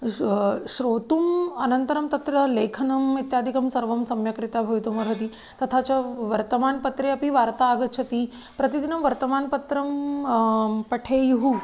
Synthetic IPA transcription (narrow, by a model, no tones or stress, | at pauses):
ʃɾoːt̪umɐnɐnt̪ɐɾɐmt̪ɐt̪ɾɐleːkʰɐnɐmit̪jaːd̪ʱikɐmsɐɾʋɐmsɐmjɐkɾit̪aːbʱɐʋit̪umɐɾɦɐt̪i | t̪ɐt̪ʰaːt͡ʃɐʋɐɾt̪ɐmaːnpɐt̪ɾeɐpiʋaːɾt̪aːɡɐt̪̚t͡ʃʰɐt̪i | pɾɐt̪id̪inɐmʋɐɾt̪ɐmaːnpɐt̪ɾɐm | pɐʈʰeːjuɦu